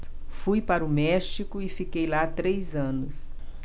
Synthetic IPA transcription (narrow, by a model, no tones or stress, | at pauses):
fujpaɾʊmɛʃikʊɪfikejlat̪ɾejzɐ̃nʊs